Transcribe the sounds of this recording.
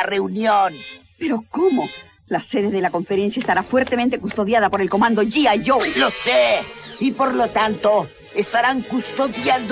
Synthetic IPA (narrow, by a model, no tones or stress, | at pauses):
reunjon | pe̞ɾo̞komo | lase̞ðeðe̞lako̞ɱfeɾe̞nsjaest̪aɾafweɾt̪emẽnt̪e̞kust̪o̞ðjaðapo̞ɾe̞lko̞mãnd̪o̞ʝiaʝoloseipoɾlot̪ant̪o | est̪aɾaŋkust̪oðjand̪